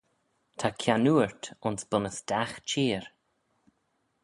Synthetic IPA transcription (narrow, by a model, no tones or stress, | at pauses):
tʰakʰjanuːɹt̪ʊnsb̥ʊnəsd̥axt͡ʃiːɹ